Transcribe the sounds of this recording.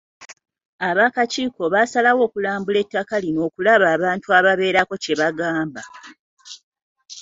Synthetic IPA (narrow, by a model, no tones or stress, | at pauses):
aβakaciːko̞βasalawo̞ːkulaːmbule̞tːakalino̞ːkulaβaːβaːntuaβaβe̞ːɾako̞ce̞βaɡaːmba